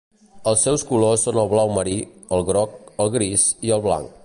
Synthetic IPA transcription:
əlˠsːɛwskulosːonəlˠβlawməɾiəlˠɣɾɔk̚əlˠɣɾiziəlˠβla̰ŋk

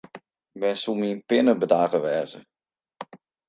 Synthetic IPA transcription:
bɛnsumiənpɪnəbədaːɣəʋɛːzə

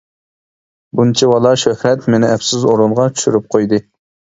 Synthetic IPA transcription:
bunt͡ʃʰiwɑlˠɑʃøhɾɛt̪menɪɛpsɪzoɾunʁɑt͡ʃʰy̥ʃyɾyp̚qʰojd̪ɨ

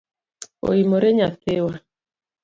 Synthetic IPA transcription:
o̰imoɾeɲaθewa

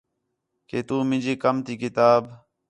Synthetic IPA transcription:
keːt̪uːmɪ̃d͡ʒiːkəmt̪iːkɪt̪aːb

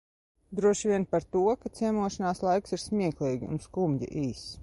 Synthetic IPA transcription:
d̪ɾuɔʃvʲiɛnpaɾt̪uɔkat̪siɛmuɔʃanaːslˠajksiɾsmʲiɛklˠiːɡʲiṵnskumdḭʔiːs

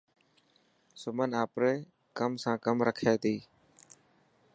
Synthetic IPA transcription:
sʊmənaːpɾeː | kəmsãːkəmɾəkʰaːt̪iː

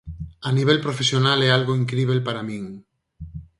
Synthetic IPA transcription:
aniβ̞elpɾofesjonalɛalɣoiŋkɾiβ̞elpaɾamĩŋ

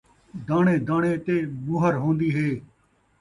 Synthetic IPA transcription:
d̪aːɳẽːd̪aːɳẽːt̪eːmuːɦəɾɦõːnd̪iːɦeː

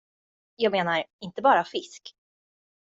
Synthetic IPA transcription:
jɑːɡmeːnaɾɪnt̪əbɑːɾafɪsk

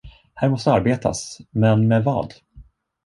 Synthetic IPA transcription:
hæːɾmɔst̪əaɾbeːt̪ʰa̰smɛnmɛːvɑ̰ːd̪

